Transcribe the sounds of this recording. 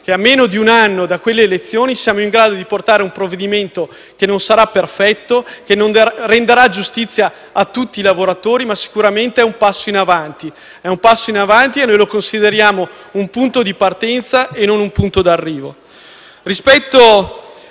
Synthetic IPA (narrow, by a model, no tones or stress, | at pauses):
k̟eamːeːnod̪iunanːod̪akwelːeːlet̪sːjoːnisjaːmoiŋɡɾaːd̪od̪iport̪aːɾeumpɾovːed̪iment̪o | k̟enonsaɾapːerfɛt̪ːokenond̪rend̪eɾad͡ʒust̪it̪sːjaː | t̪ːut̪ːiːlavoɾat̪oːɾimasi̥kuɾament̪eɛumpasːoinavant̪i | ɛumpasːoinavant̪ienːojlokonsid̪eɾjaːmo | umpunt̪od̪ipart̪ɛnt̪saenːonumpunt̪od̪arːiːvo | rispɛt̪ːo